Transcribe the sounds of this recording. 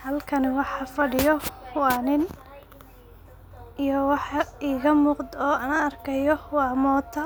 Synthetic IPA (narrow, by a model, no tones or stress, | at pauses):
hɐlkʰɐnɪwɑħɑfɐɽɪjɔwɑːnɪn | ijɔwɑħiːɣɐmuːqd̪ɔːɐnɐɐrkʰɐjɔwɑːmɔːt̪ʰɐ